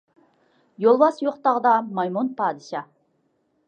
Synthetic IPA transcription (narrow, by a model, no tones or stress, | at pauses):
jolˠbɑsjoqt̪ɑʁəd̪ɑmɑjmonpʰɑːd̪ɨʃɑ